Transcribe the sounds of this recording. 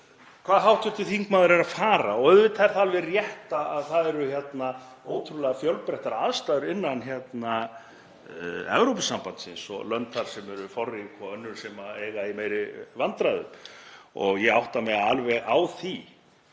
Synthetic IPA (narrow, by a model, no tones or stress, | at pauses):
kʰv̥aːðɦawht̪ʏht̪ɪθiŋkmaːðʏɾɛɾafaːɾaɔœðvɪt̪ʰaɾ̥θalvɪrjɛht̪aaðθaðɛɾʏçjɛt̪na | oːwt̪ʰɾulɛɣafjœwlpɾɛht̪aɾaðst̪aːðʏɾɪnːançjɛt̪na | ɛ̰vɾowpɪsampant̪sɪ̰nsɔ̰lœnt̪ʰθaɾ̥sɛmɛɾʏfɔrːɪkʰɔœnːʏɾsɛmaeːjɣaimejɾɪvant̪ɾaðʏ̰mɔɣjɛawht̪amɛɣaalvɛɣawθi